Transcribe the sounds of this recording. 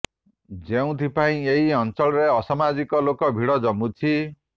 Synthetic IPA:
d͡ʒeũt̪ʰipaĩeɦiɔnt͡ʃɔɭɔɾeɔsamad͡ʒikɔlokɔbʱiɽɔd͡ʒɔmut͡ʃʰi

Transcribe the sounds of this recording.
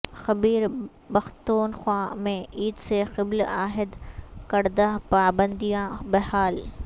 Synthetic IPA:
xɐbiːɾ | bɐxt̪oːnxwaːmẽiːd̪sexɪblaːɦɪd̪kɐɾd̪aɦpaːbə̃nd̪ijãbɐhaːl

